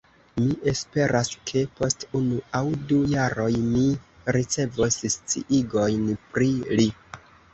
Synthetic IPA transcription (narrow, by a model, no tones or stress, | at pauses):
miʔe̞spe̞ɾʔaskʰe̞po̞stunuawdujaɾo̞jmi | ɾit͡se̞vosst͡sḭʔiɡo̞jnpɾili